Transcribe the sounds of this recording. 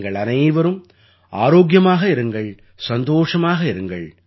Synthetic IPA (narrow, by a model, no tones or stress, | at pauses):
ŋɡɐɭɐnɐjʋɐɾɯm | a̰ːɾoːɡjɐmaːɣɐɪɾɯŋɡɐɭ | sɐnd̪oːʂɐmaːɣɐɪɾɯŋɡɐɭ